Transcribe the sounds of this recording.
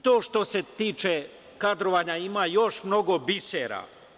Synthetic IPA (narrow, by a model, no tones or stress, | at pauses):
t̪oːʃt̪o̞se̞t̪iːt͡ʃe | kad̪ɾoʋaɲaimajo̞ʃmno̞ɡo̞biseɾa̰